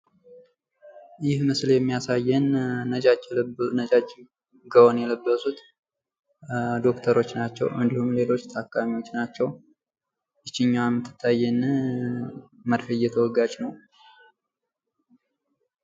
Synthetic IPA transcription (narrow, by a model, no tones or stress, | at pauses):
jɪhmɨsljɛmːijasajːɛnːəd͡ʒad͡ʒlnəd͡ʒad͡ʒ | ɡəwonjɛləbːəsut̪ | d̪o̞kt̪ʰəɾo̞t͡ʃːnat͡ʃːɛ̰wʔɨnd̪ihumle̞lo̞t͡ʃːt̪ʰakːamiwot͡ʃːnat͡ʃːɛw | jɨt͡ʃːɪɲːawamɨt̪ʰːɨ̥t̪ʰːajɛn | məɾfəjɛt̪ʰəwɔɡad͡ʒnəw